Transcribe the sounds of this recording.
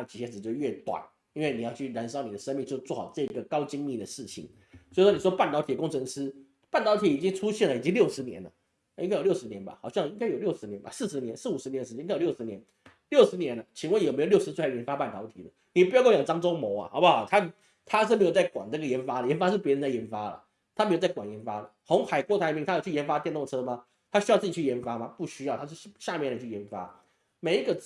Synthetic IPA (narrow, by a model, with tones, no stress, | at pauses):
a˥˧ə˩t͡ɕʰi˨˩ɕjɛ˧˥˩t͡ɕo˥˧ɥɛ˥˩t̪wa̰˨˩˦n | i˥nwe˥˩ɪni˨˩jɑ˥˧ʊt͡ɕʰy˥˩ɻa˧˥nʂ̬ɑ˥ʊni˨˩d̪ə˦˩ʂə˥nmi˥˧ŋt͡ɕjo˥˧ʊt͡swɔ˥˧˩xɑ̰˨˩ʊʈ͡ʂɤ˥˩i˧˥ɡə˨kɑ˥ʊt͡ɕi˥ŋmi˥˩d̪ə˩ʂɻ̩˥˩t͡ɕʰḭ˩n | o˥˩wɔ˥ni˨˩ʂwɔ˥pa˥˩nt̪ɑ˧˥t̪ʰi˨˩əkʊ˥ŋʈ͡ʂʰɤ˧˥ŋʂ̩˥ | pa˥˩nt̪ɑ˧˥ʊt̪ʰi˨˩i˨˩t͡ɕi˥ŋʈ͡ʂʰu˥ɕjɛ˥˩nlə˨i˨˩t͡ɕi˥ŋljo˥˩ʊʂɻ̩˧˥njɛ̰˧˥nlə̰˨˧ | i˥ŋka˥jjʊʂɻ̩˧˥njɛ˧˦nba̰˨xɑ˨˩ʊɕjɑ˥˧ŋi˥ŋka˥ɪjo˨˩ʊljo˥˩ʊʂɻ̩˧˥njɛ˧˥nba̰˧˩sɹ̩˥˩ʂɻ̩˧˥njɛ˧˦nsɹ̩˥˩u˨˩ʂɻ̩˧˥jɛ˧˥n˧ə˧˥jo˨˩˧jo˥ʊʂ̩˧njɛ˧˦n | ljo˥˩ʊʂɻ̩˧˥njɛ˧˥nə˧t͡ɕʰi˧˥ŋwə˥˩njme˧˥jjʊʂɻ̩˧˥we˥˧˩jɛ˧˥nfa˥pa˥˩nt̪ʰɑ˧˥ʊt̪ʰḭ˧˥d̪ə̰˦ni˨˩pu˧jkwjŋʈ͡ʂɑ˥ŋʈ͡ʂo˥ʊmo˧˥ʊɐ̰˨xɑ˧˥ʊba˧xɑ˨˩t̪ʰa˥ | t̪ʰa˥ʂ̬̩˥˩m˧˥jo˨˩t͡sa˥˩ɪkwa̰˨˩nna˥˩ɡə˩jɛ˧˥nfa˥də˨jɛ˧˥nfa˥ʂ̬ɻ̩˥˩pjɛ˧˥ə˧nt͡sa˥˩jɛ˧˥nfa˥lə̰˨ | t̪ʰme˥jt͡sa˥˩wa˨˩njɛ˧˥nfa˥lə̰˨xʊ˧˥ŋxa˨˩ɪkwɔ˥˧˩t̪ʰa˧˥ɪmi˧ŋt̪ʰa˥jʊt͡ɕʰjɛ˧˥nfa˥t̪jnt̪ʊ˥˩ʈ͡ʂʰɤ˥mɐ˨ | t̪ʰa˥ɕy˥ɑ˥˧ʊt͡sɹ̩˥˩t͡ɕt͡ɕʰjɛ˧˥nfa˥mɐ˨pu˥˩ɕy˥jɑ˥˩ʊt̪ʰt͡ɕʰo˥˧ʂ̩˥˩ɕja˥˧mjɛ˥˩ndə˨˩t͡ɕʰy˥˩jɛ˧˥nfa̰˥ | me˨˧ɪi˧˥ɡə˧